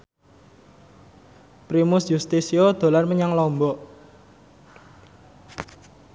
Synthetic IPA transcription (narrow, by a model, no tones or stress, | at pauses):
pɾimʊsjust̪isiod̪̥o̤larməɲaŋlɔmbɔʔ